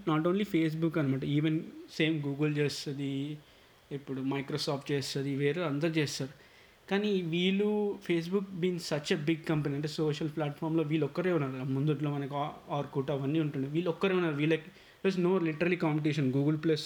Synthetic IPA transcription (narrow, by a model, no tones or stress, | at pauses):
naːʈoːnlipʰeːs̬bukːɐnimaːʈɐiːʋense̞ːmɡuːɡɐlt͡ʃeːst̪ɐd̪i | ipːuɽumɐjkɾoːsaːpʰʈt͡ʃeːst̪ɐd̪iʋeːɾuɐnd̪ɐɾut͡ʃeːsaːɾu | kaːniʋiːɭupʰe̞ːs̬bukbiːnsɐt͡ʃebiɡ̚kɐmpɐniɐɳʈ̬eːsoːʃɐlplaːʈfʰaːɾmloːʋiːɭɔkːɐɾeːunːaːɾumund̪uʈloːmɐnɐkiaaːɾkuːʈɐːʋɐnːiːuɳʈuɳɖiʋiːɭːɔkːɐɾeːunːaːɾuʋiːɭːɐki | ʈɐs̬noːliʈɐɾɐlikaːmpeʈiːʃɐnɡuːɡɐlplɐs